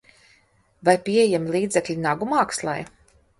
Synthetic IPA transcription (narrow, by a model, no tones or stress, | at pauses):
vajpʲiɛjɛmlˠiːd̪zɛklʲinaɡumaːkslˠa̰j